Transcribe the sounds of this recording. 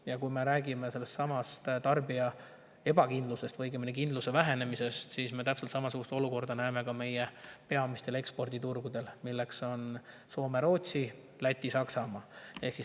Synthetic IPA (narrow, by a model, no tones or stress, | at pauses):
jɑkujme̞ɾæːɡime̞se̞lːe̞st̪ːsɑmɑst̪t̪ɑrbiɑ | e̞bɑkind̪luse̞st̪vɤjɡeminek̬ind̪luse̞væɦe̞ne̞mise̞st̪sisme̞t̪æpselt̪sɑmɑsuɡ̥ust̪o̞luko̞rd̪ɑnæeme̞kɑme̞jepe̞ɑmist̪e̞le̞kspo̞rd̪it̪urɡud̪e̞lmilːe̞kso̞n | so̞ːme̞ɾo̞ːt̪si | læt̪ʲːisɑksɑmɑe̞hksis